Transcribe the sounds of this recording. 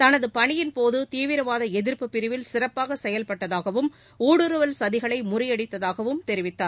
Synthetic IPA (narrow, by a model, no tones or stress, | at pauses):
t̪ɐnɐðɯpɐɳɪjɪnpoːðɯt̪iːʋɪɾɐʋaːðɐɛðɪɾpɯpːɪɾɪʋɪlsɪrɐpːaːɣɐsɛjɐlpɐʈːɐðaːɣɐʋɯm | uːɽɯɾɯʋɐlsɐðɪɣɐɭɐɪmʊrɪjɐɽɪt̪ːɐðaːɣɐʋɯmt̪ɛɾɪʋɪt̪ːaːɾ